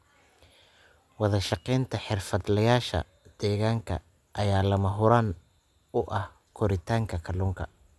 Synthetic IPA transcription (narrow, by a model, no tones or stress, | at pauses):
wɑðɐʃɑqɛːnt̪ʰɐħɪrfɐd̪lɐjaːʃɐ̰ | d̪̥ɛːɣaːŋkʰɐ̰ | ʔɐjaːlɐmɐɦʊɾaːn | ʊʔɐh | kʰɔɾɪt̪ʰaːŋkʰɐkʰɐlʊŋkʰɐ